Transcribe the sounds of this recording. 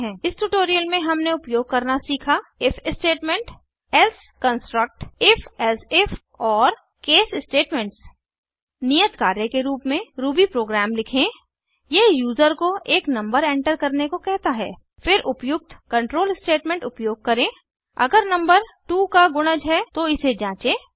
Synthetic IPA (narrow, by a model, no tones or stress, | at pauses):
ɦɛ̃ːɪsʈuʈoːɾijəlmẽɦɐmneʊpjoːɡ̚kɐɾnasiːkʰaɪfʰɪsʈeːʈmẽɳʈ | ɛls | kə̃nsʈɾək̚ʈɪfʰɛlsɪf | ɔːɾ | keːsɪsʈeːʈmẽɳʈs | nijət̪kaːɾjəkeɾuːpmẽɾuːbipɾoːɡɾaːmlɪkʰẽ | jejuːzəɾkoeːknɐ̃mbəɾẽːɳʈəɾkɐɾnekokɛɦt̪aɦɛː | fɪɾʔʊpjʊk̚t̪kɐ̃ɳʈɾoːlɪsʈeːʈmẽɳʈʊpjoːɡ̚kɐɾẽː | ɐ̰ɡəɾnɐ̃mbəɾʈuːkaɡʊɽ̃əd͡ʒɦɛt̪oɪsed͡ʒãːt͡ʃẽː